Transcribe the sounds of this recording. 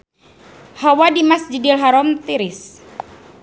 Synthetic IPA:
hawadimasd͡ʒidilɦaɾɔmt̪iɾɪs

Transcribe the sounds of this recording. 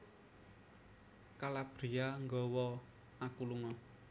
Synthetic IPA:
kalab̥ɾiaŋɡɔwɔ | akuluŋɔ

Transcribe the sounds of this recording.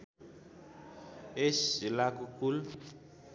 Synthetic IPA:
eʃilakʼukʰulu

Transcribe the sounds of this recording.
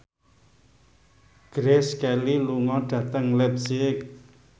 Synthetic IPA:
ɡ̥ɾɛskɛliluŋɔɖ̥ä̤t̪əŋlɛp̚sɪk̚

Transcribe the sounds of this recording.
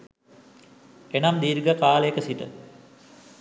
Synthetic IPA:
enamd̪iːɾɡəkaːləekəsiʈə̰

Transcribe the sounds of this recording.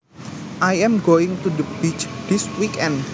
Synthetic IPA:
ʔajɛmɡoɪŋt̪ud̪əbit͡ʃd̪̥ɪswikɛn

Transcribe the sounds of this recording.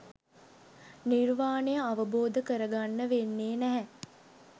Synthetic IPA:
nirʋaːnəjəaʋəboːd̪əkəɾəɡanːəʋenːeːnæɦɛ

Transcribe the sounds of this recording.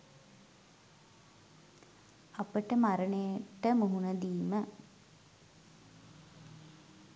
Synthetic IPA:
apəʈəmaɾənejəʈəmuɦunəd̪iːmə

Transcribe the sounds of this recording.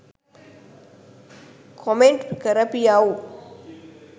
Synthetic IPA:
kʰɔmeɳʈkɐɾɐpijaːu

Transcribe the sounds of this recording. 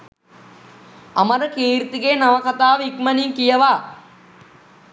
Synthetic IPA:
ɐməɾəkiːɾit̪iɡeːnaʋɐkat̪aːʋikmɐniŋkijəʋaː

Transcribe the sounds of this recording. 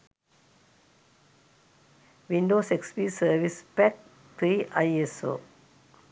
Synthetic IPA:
ʋĩɳɖoːsekspiːsəːʋispɛk̚ | t̪ʰɾiːaɪeso̰ː

